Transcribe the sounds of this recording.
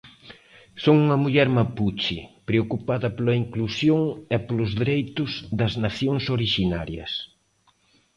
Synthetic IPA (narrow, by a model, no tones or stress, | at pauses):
soŋuŋɐmuʎɛɾmaput͡ʃɪpɾeokupaðɐpolɐiŋklusjoŋɛpolʊzðiɾejt̪ʊzðɐznaθjoŋsoɾiʃinaɾjɐ̰s